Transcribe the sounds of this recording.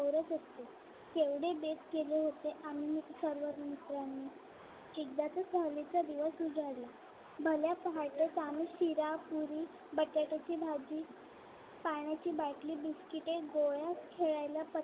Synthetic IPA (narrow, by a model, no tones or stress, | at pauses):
əwɾət͡səst̪e | t̪eʋɽebeskeleɦot̪eʔam̤iːsəɾʋəɾmit̪ɾanːi | t͡ɕiɡd̪at͡səsəlit͡sad̪iʋəsud͡zʱaɾla | bʱəljapəɦaʈet͡samiːɕiɾapuɾiː | bəʈjaʈat͡ɕiːbʱad͡ʑiː | paɳjat͡ɕiːbaʈliːbiskiʈeɡojaskʰeɭajlapə